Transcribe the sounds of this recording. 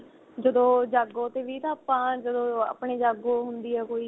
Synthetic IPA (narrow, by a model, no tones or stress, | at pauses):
d͡ʒəd̪õːd͡ʒaːɡõːt̪eːʋiːt̪ãːpãːd͡ʒəd̪õːa̰ːpɳeːd͡ʒaːɡoːɦʊnd̪iːɛːkoːiː